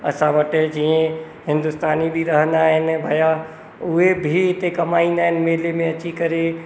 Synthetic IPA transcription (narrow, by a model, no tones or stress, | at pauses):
ɐ̰sãʋɐʈed͡ʑiːẽ | hɪ̃nd̪ʊst̪aːnibʱiɾɐɦə̃nd̪aːɦɪnɪ̆bʱaːja | ʊɦebʱiɪt̪ekɐmaːĩːnd̪aːɦɪnɪ̆meːɦlemẽɐt͡ɕikɐɾe